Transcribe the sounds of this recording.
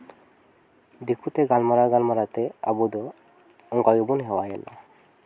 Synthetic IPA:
d̪ikʰut̪ɛɡalmaɾaɡalmaɾat̪ɛa̰bud̪ɔ | ɔŋkaɡɛbunɦɛwajɛnɔ̰

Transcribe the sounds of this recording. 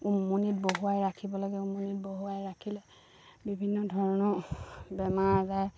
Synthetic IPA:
umːunit̚boɦuajɹakʰibɔlɔɡɛumːunit̚boɦuajɹakʰilɛ | bibʱinːɔdʱɔɹɔnɔbɛmaɹzaj

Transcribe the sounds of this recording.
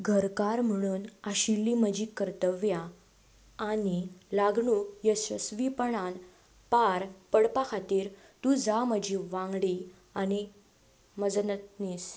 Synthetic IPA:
ɡʱəɾkaɾm̤əɽ̃uːnaɕilːiməd͡ʑiːkəɾt̪əʋjaː | nilaɡɳujəsəsʋipəɳan | paɾpəɽpakʰat̪iːɾ | t̪ud͡zaməd͡ʑʱiʋãŋɡɽi | añi | məd͡zənət̪nis

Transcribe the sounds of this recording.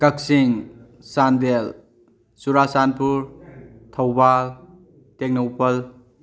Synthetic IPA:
kɐk̚siŋ | sandel | suɾasanpuɾtʰɐwbal | tek̚nɐwpɐl

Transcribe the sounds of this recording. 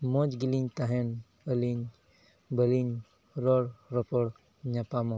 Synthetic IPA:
mɔd͡ʒɡiliɲt̪aɦen | əliɲ | bəliɲ | ɾɔɽɾɔpɔɽ | ɲapamɔ

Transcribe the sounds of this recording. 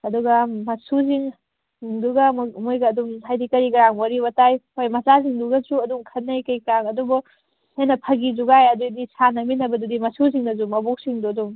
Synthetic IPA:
ɐduɡɐmɐsuziŋ | ŋduɡɐmmojɡɐːduŋhajdikɐɾiɡɐɾaŋwɐɾiβɐtajojmɐzaziŋduɡɐtɾuɐduŋkʰɐnːɐjkɐjkɾaŋɐdubu | henɐpʰɐɡizuɡajɐdudisʰanɐminɐbɐdudimɐsuziŋnɐzumɐbok̚siŋduɐduŋ

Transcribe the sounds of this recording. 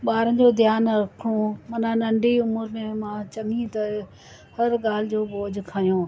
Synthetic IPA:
ɓaːɾə̃n̆d͡ʑoːd̪ʱjaːnɾɐkʰɽomɐnanɐ̃ɳɖʱiʊmʊɾmẽmãt͡ɕɐŋĩt̪ɐ | hɐɾɠaːl̤ɪd͡ʑoːboːd͡ʑkʰaːijõː

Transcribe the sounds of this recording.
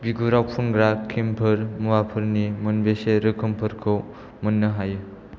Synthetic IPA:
biɡuɾawpʰunɡɾakʰːimpʰɯɾmuwapʰɯɾnimɯnbeseɾɯkʰɯmpʰɯɾkʰɯw | mɯnːɯɦajɯ

